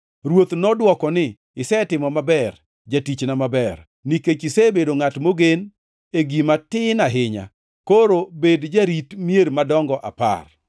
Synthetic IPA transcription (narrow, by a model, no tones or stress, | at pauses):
ɾwot̪nɔdwɔkɔnɪ | ɪsɛtɪmɔmabɛr | d͡ʒatit͡ʃnamabɛr | niket͡ʃɪsebedoŋatmoɡen | eɡimatɪnaɦɪɲa̰ | koɾobedd͡ʒaɾitmjeɾmadɔŋɡɔʔa̰pa̰r